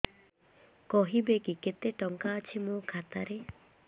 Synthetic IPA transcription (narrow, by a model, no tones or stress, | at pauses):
kɔɦibekiket̪eʈɔŋkaːt͡ʃʰimukʰat̪aɾe